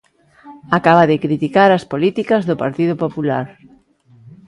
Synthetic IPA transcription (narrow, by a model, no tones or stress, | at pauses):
akaβaðɪkɾit̪ikaɾaspolit̪ikazðʊpaɾt̪iðʊpopula̰ɾ